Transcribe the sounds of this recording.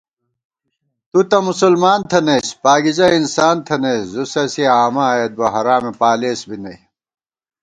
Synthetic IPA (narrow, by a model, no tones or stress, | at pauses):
t̪ut̪ɐmusulmaːnt̪ʰɐneːspaːɡizɐinsaːnt̪ʰɐneszusɐsiaːmɐet̪̚bɐɦɐɾaːmepaːleːsbinɐi